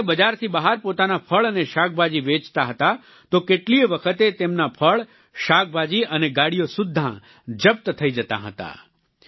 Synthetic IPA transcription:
bəd͡ʒaɾt̪ʰibəɦaɾpot̪anapʰəɭəneʃak̚bʱad͡ʒiʋet͡ʃt̪aɦət̪a | t̪okeʈliəʋəkʰət̪et̪emnapʰəɭ | ʃak̚bʱad͡ʒiʔəneɡaɽijosʊd̪ʱːã̰ | d͡ʒəp̚t̪t̪ʰəid͡ʒət̪a̰ɦə̰t̪a̰

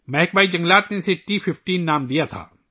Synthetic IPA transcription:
mɛɦɪk̚baːid͡ʒɐ̃ŋɡlaːt̪neseʈifʰɪfʈiːnːaːmd̪ijat̪ʰa̰ː

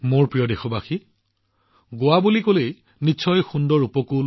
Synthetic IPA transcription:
moɹpɹijɔdexɔbaxi | ɡoabulikolej | nitːʃʰɔjxundɔɹupɔkul

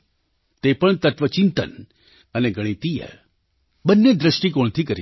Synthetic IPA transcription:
t̪epəɳt̪ət̪ʋət͡ʃint̪ə̰n | əneɡəɽ̃it̪ijḛ | bənːed̪ɾəʃʈik̬oɳ̃t̪ʰikəɾi

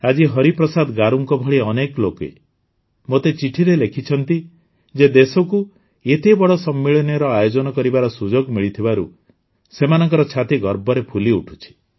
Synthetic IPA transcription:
ad͡ʒiɦɔɾipɾɔsad̪ɡaɾuŋkɔbʱɔɭiɔneklokḛ | mot̪et͡ʃiʈʰiɾelekʰit͡ʃʰɔnt̪i | d͡ʒed̪esɔku | et̪ebɔɽɔsɔmːiɭɔnjɾɔajod͡ʒɔnɔkɔɾibaɾɔsud͡ʒoɡmiɭit̪ʰibaɾṵ | semanɔŋkɔɾɔt͡ʃʰat̪iɡɔɾbɔɾepʰuliuʈʰu̥t͡ʃʰi̥

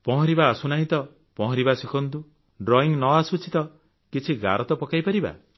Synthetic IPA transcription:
pɔɦɔ̃ɾibaːsunaɦit̪ɔ | pɔɦɔ̃ɾibasikʰɔnt̪u | ɖɾɔiŋnɔasut͡ʃit̪ɔ | kit͡ʃʰiɡa̰ɾɔt̪ɔpɔkajpaɾiba̰

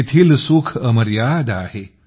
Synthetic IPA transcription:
et̪ʰiːlsukʰəməɾjad̪a̰ɦe

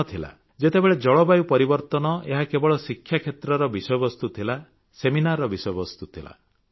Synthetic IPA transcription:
t̪ʰila̰ | d͡ʒet̪ebeɭed͡ʒɔɭɔbajupɔɾibɔɾt̪ɔnɔeɦakebɔɭɔsikʰːjakʰet̪ɾɔɾɔbisɔjɔbɔst̪ut̪ʰila | seminaɾɔɔbisɔjɔbɔst̪ut̪ʰila̰

